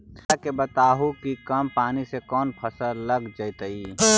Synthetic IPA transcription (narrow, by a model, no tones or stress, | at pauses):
t̪ʰakebɐt̪aːɦukikɐmpaːnisekɔːnpʰɐsəlɐɡd͡ʒəjt̪əiː